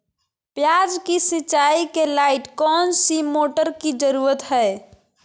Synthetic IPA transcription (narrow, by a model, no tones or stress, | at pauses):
pjad͡ʒkisɪt͡ʃːaikelaɪʈkɔːnsimoːʈəɾkid͡ʒəɾuːɾət̪ɦɛe